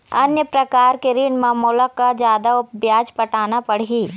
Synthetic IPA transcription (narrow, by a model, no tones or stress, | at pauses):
ɐnjəpɾɐkaːɾkeɾiɳmaːmoːləkːad͡ʒjaːd̪aʊpbjaːd͡ʒpɐʈaːnapɐɽ̤iː